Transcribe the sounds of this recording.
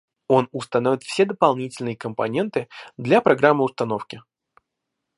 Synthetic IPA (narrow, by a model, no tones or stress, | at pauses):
o̞nʊst̪ɐnovʲɪt̪fsʲed̪əpɐlˠnʲitʲɪlʲnɨjəkəmpɐ̰nʲe̞nt̪ɨd̪lʲɐpɾɐɡɾamːɨʊst̪ɐno̞fkʲɪ